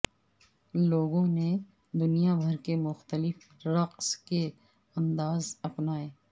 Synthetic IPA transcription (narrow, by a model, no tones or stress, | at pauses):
loːɡõne | d̪ʊnijabʱɐɾkemʊxt̪əlɪf | ɾɐqske | ɐ̃nd̪aːzɐpnaːeː